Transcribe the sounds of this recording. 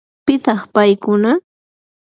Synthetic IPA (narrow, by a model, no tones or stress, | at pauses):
pɪt̪ɑχpajkʊna